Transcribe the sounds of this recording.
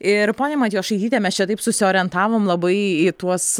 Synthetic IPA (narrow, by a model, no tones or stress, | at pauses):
ɪɾpoːnʲɛmɐt̪ʲiːjosʃɐɪtʲiːt̪ʲɛmʲɛst͡ʃʲɛt̪ɐɪpsʊsʲɪoːɾʲɛnt̪ɑːʋoːmlˠɐbɐɪit̪uɔs